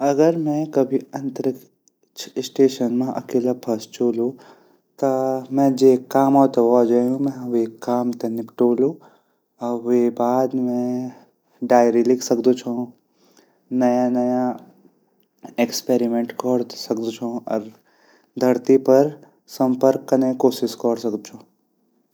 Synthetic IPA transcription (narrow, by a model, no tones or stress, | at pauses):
ɐɡəɾmɛ̃kɐbʱiɐ̃nt̪ɾɪk | t͡ʃʰɪsʈeːʃənmãʔɐ̰keːlapʰɐst͡ʃoːlũ | t̪ɐmɛ̃d͡ʒekaːmɔt̪ɔad͡ʒaːjũmɛ̃ekaːmt̪enɪpʈoːlũ | ebaːd̪mɛ̃ | ɖaːjɾilɪkʰsəkd̪ũt͡ʃʰõ | nəjanəja | ekspeɾimẽɳʈkɔɽsəkd̪ũt͡ʃʰõə̰ɾ | d̪ʱəɾt̪ipəɾ | səmpəɾkənekoːsɪskɔɽsəkd̪ut͡ʃʰũ